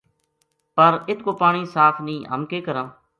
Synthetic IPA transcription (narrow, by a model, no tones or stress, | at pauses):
pəɾɪt̪ʰkoːpaːɳiːsaːpʰnĩːɦə̰mkeːkəɾə̃ː